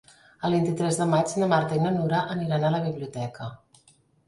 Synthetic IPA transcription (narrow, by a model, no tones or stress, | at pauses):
əlˠβint̪it̪ɾɛzðəmad͡ʒnəmaɾt̪əinənuɾaʔəmiɾanaləβiβliut̪ɛkə